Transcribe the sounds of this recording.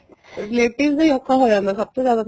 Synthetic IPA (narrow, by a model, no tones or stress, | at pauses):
ɾɪleːʈɪʋd̪ẽjoːkʰːaɦoːjãːnd̪asɐb̚t̪ozjaːd̪a